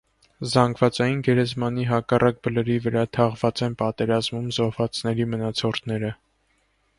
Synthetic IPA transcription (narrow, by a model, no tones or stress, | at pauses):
zɑŋɡvɑt͡sɑjinɡɛɾɛzmɑniɦɑkɑrʔɑk̚bələɾivəɾɑt̪ʰɑʁvɑt͡sɛnpɑt̪ɛɾɑzmumzɔhvɑt͡snɛɾimənɑt͡sʰɔɾt̪ʰnɛɾə